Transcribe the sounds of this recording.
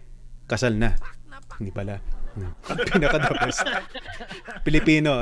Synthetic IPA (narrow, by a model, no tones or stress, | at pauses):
kɐsalnanɪbɐlanopɪnɐkɐd̪aːpɐs | pɪlɪpiːno